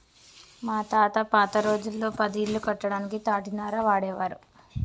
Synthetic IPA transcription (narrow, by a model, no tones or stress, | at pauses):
maːt̪aːt̪ɐpaːt̪ɐɾo̞ːd͡ʒulːo̞ːpɐd̪ilːukɐʈːɐɽaːnikit̪aːʈinaːɾɐʋaːɽɛːʋaːɾu